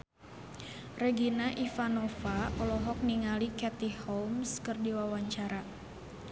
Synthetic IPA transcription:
rɛɡinaʔifanofaʔɔlɔɦɔk̚niŋalikɛt̪ihɔmskɨrdiwawaɲt͡ʃaɾa

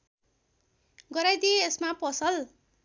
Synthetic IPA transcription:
ɡʌɾajd̪ijeːsmapʌsʌl

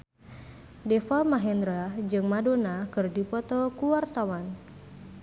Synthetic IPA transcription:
dɛfamaɦɛnd̪ɾad͡ʒɨŋmadonakɨrdipɔt̪ɔkuwart̪awan

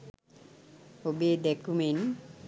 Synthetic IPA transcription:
obed̪ekumen

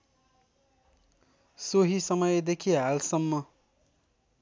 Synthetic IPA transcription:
soɦisʌmʌjd̪ekʰiɦalsʌmːʌ

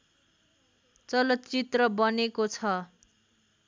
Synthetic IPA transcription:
t͡sʌlʌt̪t͡sit̪rʌbʌnekot͡sʰʌ

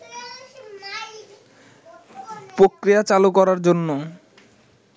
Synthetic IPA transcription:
pɾokɾijat͡ɕalukɔɾaɾd͡ʑonːo

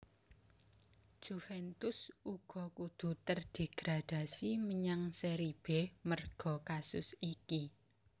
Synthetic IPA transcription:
ʒ̥ufɛnt̪ʊsuɡ̥ɔ̤kud̪̥ṳt̪ərd̪̥e̤ɡ̥ɾad̪̥a̤siməɲaŋseɾib̥ɛmərɡ̥ɔ̤kasʊ̰siki

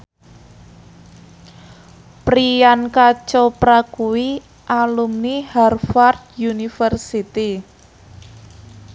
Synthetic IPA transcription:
pɾijankat͡ʃɔpɾakuwi | ʔalumniharfard̪junifərsit̪i

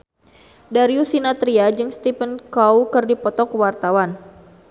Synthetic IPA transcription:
daɾiusinat̪ɾiad͡ʒɨŋst̪ipənkawkɨrdipɔt̪ɔkwart̪awan

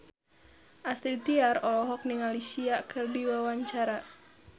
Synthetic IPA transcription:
ʔast̪ɾit̪iarɔlɔɦɔk̚niŋalisiakʰɨrdiwawaɲt͡ʃaɾa

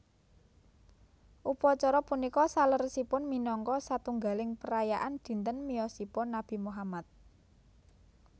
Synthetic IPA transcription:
ʔupɔt͡ʃɔɾɔpunikɔsalərsipʊnminɔŋkɔsat̪uŋɡalɪŋpəɾajaʔand̪̥i̤nt̪ənmiɔsipɔnab̥i̤muɦamat̪̚

